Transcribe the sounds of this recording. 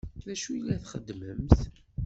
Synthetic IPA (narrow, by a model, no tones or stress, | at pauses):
ðæʃujəlːæθχəd̪ːməmθ